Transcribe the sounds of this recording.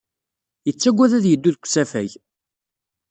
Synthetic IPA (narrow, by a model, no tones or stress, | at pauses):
jət͡sːæɡʷːæðæðjəd̪ːuðkʷsæfæʝ